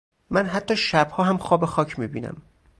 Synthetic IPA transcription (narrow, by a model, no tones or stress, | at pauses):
mænɦæt̪ʰːɒːʃæb̥hɒːhæmxɒːbexɒːcʰmiːbiːnæ̰m